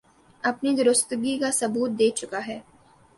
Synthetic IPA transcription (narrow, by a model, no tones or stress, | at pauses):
ɐpnid̪ʊɾʊst̪ɡikasɐbuːt̪̚d̪eːt͡ʃʊkaɦɛː